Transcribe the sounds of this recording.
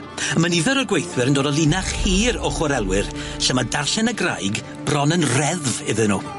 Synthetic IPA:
əməniðəɾɔɡwejθwɨɾəndoːdɔlˠinaχhiːɾɔχwɔɾɛlˠwɪrsəmadarɬɛnəɡra̰jɡ | b̥rɔnənrɛðvɪðɨnṵː

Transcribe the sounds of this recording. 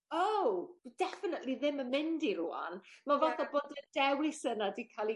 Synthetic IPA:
owdɛfənətlˠiðɪməmɪndiɾua̰nmavaθaboːdədɛwlˠisənadikʰalˠi

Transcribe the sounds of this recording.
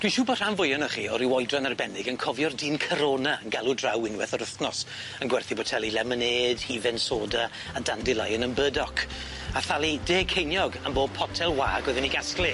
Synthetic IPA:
d̥wiʃuːbɔr̥anvʊjɔnɔχiːɔɾiwɔjdranarbɛnɪɡənkʰɔvjɔrdiːnkʰəɾoːnaənɡalˠudrawɪnwɛθɔɾəθnɔs | ənɡwɛrθibɔtʰɛlˠilɛməneːd̥hivɛnsoːda | adandɪlˠajənəmbəːdɔkʰ | aθalˠideːkʰejnjɔɡamboːd̚pʰɔtʰɛlˠwa̰ːɡɛðɛniɡasklˠi

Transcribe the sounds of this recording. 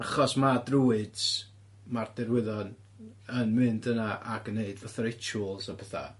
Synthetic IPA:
aχɔsmadruːɨd | mardɛrwɪðɔn | ənmɨndənaʔaɡənːeɨdvaθaɾet͡ʃʰulˠsɔbʰɛθa̰

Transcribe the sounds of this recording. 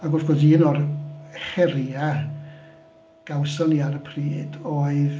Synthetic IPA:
aɡʊrfɡɔðiənɔrχɛɾa | ɡ̥awsɔniaɾəpʰriːd̥oːɨð

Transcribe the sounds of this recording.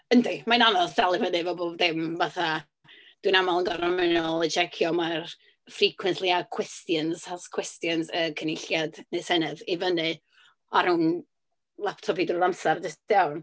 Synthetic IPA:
əndmananɔsd̥alˠɨvənɨvɔboːvðɪmvaθa | d̥winamalˠənɡɔɾamɪnɔlˠəd͡ʒɛkʰjɔmar | frikʰwɛnθlˠiakʰw̥ɛstjənshaskʰw̥ɛstjənsəkʰənɪɬjadnesɛnɨðivənɨ | aɾʊn | lˠap̚tʰɔpidrɔlamsardɪsd̥awn

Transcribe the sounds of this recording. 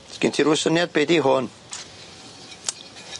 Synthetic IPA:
skɪntʰiɾwɛsənjad̪̚beːdiɦʊn

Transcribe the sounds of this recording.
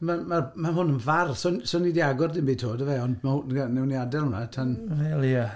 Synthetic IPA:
mamarmahʊnənvarsonsoːnidiaɡɔrdɪnbiːtʰoːdəvɛɔndmahʊnɡanɛwnjadɛlˠʊnatʰanelˠia

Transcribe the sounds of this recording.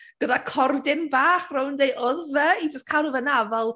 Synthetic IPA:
ɡ̥ədakʰɔrdɪnbaːχrʊwndejʔɔðvɛid͡ʒəstkʰanˠəvənavɛlˠ

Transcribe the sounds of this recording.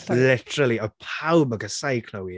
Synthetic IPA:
lɪtʰəɾəliəpʰawbəɡəsajkʰlɔwi

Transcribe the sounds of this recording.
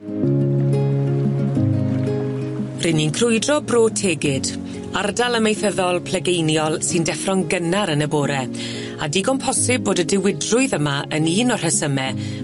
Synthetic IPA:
rɪninkʰrʊɨdrɔbroːtʰeːɡɪd̥ | ardalˠəmejθəðɔlˠpʰlɛɡejnjɔlˠsɨndɛfrɔŋɡənaɾənəboːɾɛ | adiɡɔmpʰɔsɪb̚boːdədɪwɪdrʊɨðəmaəniːnɔr̥həsəmɛ

